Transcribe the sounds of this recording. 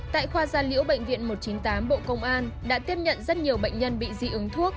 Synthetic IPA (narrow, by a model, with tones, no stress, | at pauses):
t̪a̰ː˧˨jxwaː˧zaː˧˩nlḭ˧˥əwɓə̰˧˨jŋ̟vḭ˧˨ənmo˨˩t̚t͡ɕi˨˦nt̪aː˨˦mɓo̰˧˨kə˧wŋ͡mʔaː˧nɗa̰ː˧˥t̪i˦˥əp̚ɲə̰˧˨nzə˦˥t̚ɲi˨˩əwɓə̰˧˨jŋ̟ɲə˧nɓḭ˧˨zḭ˧ʔɨ˨˦ŋt̪ʰu˦˥ək̚